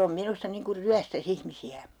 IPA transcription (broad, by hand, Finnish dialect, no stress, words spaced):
om minustɑ niŋ kur ryæstæs ihmisiæ